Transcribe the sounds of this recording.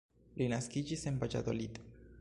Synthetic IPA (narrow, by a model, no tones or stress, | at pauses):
linaskid͡ʒisenbad͡ʒa̰d̪olid̪